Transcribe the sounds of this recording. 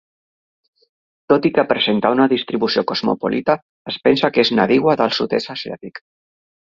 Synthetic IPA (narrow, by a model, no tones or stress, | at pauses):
t̪ot̪ikəpɾəzent̪aunaðist̪ɾiβusiokozmṵpo̰lʔit̪aː | spɛnsakeznaðiɣwaðalˠsut̪esasia̰t̪ik